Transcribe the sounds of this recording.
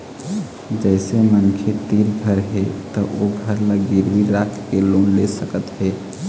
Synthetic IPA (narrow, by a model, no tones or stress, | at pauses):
d͡ʒɛɪsemənkʰet̪iɾɡʱəɾɦet̪ɔʔoɡʱəɾlaɡiɾbiɾakʰkelonlesəkət̪ɦe